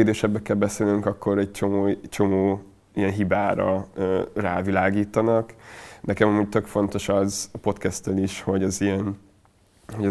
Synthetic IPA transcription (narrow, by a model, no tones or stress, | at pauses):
eːd̪eːʃɛbːɛkɛlbɛseːlnyŋkɒkːo̞ɾɛɟ̚t͡ʃo̞moːt͡ʃo̞moː | ijɛnɦibaːɾɒ̰øːra̰ːvilaːɡiːt̪ɒnɒknɛkɛmɒmuːɟ̚t̪ø̞kfo̞nt̪o̞ʃɒzɒpo̞t̪kɛst̪ɛliʃho̞ɟɒzijɛn | hoɟɒ